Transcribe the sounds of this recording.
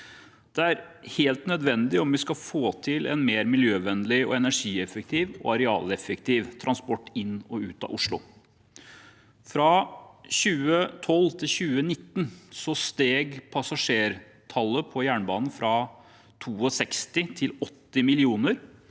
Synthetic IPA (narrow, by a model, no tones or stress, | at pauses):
d̪̥ɛæɾheːlt̪nœd̪ʋɛnd̪ɪɔmʋɪskɑfoːt̪ʰɪlɛ̰nmeːɾmɪljøːʋɛnlɪɔ̰ɛnæʂiːɛfək̚t̪ʰiːʋɔ̰ɑɾɛɑ̰ːlɛfəkt̪ʰiːʋt̪ʰɾʔɑnspɔʈːɪnːɔʉːt̪ɑ̰ʔʊʂɭʊ̰ | fɾɑɕʉːət̪ʰɔlːt̪ʰɪlɕʉːənɪt̪ːnsɔst̪eːɡpʰɑsɑʂeːɾ | t̪ʰɑlːəpʰɔjæːɳbɑːnn̩fɾɑ | t̪ʰuːɔsɛkst̪ɪt̪ʰɪlɔt̪ːɪmɪlɪuːnəɾ